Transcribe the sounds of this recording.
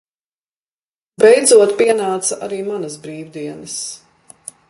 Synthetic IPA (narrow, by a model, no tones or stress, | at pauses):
bɛjd̪zuɔt̪piɛnaːt̪sɐʔaɾiːmanɐs̬bɾiːwd̪iɛnɐs